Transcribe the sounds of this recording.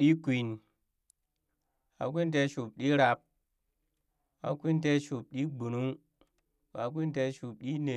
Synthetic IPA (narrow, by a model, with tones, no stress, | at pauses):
ɗi˦kʷi˨n | ha̰˨k̬ʷi˦nte˧˦ʃu˨p̚ɗi˦ɾa˧p̚ | a̰˨kʷi˦n˦te˦ʃu˨p̚ɗi˦ɡ͡bu˨nu˦ŋ | wa˨˦k̬ʷi˦n˦te˧˦ʃu˨p̚ɗi˦ne˨